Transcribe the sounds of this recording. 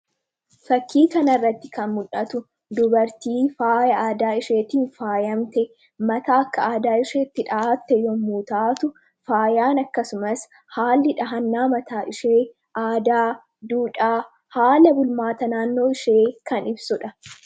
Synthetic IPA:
fɐkːiːkɐnɐrːɐt̪ːɪkɐnmʊᶑʔɐt̪ʊ | d̪ʊbɐɾt̪iːfaːjɐaːd̪aːɪʃeːt̪iːnfaːjɐmt̪ɛ | mɐt̪aːɐkːɐaːd̪aːɪʃeːɪt̪ːɪᶑɐat̪ːɛjɔmmuːt̪aːt̪ʊ | faːjaːnɐkːɐsʊmɐs | haːlːɪᶑɐɦɐnːaːmɐt̪aːʔɪʃeː | ʔaːd̪aː | d̪uːᶑaː | haːlɐbʊlmaːt̪ɐnaːnːo̞ːɪʃeːkɐnɪbsʊᶑɐ

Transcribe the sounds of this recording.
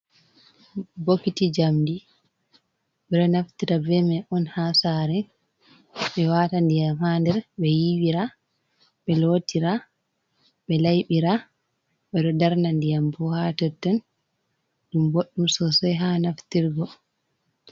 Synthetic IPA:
bokːitid͡ʒamdi | ɓɛɾɔnaftiɾabɛmɛʔɔnhasaɾɛ | ɓɛwaːtandijamhandɛɾɓɛjiwiɾa | ɓɛlotiɾa | ɓɛlajɓiɾa | ɓɛɗɔdaɾnandijambɔhatɛtːɛn | ɗumboɗːumsɔsɔjɦanaftiɾɡɔ

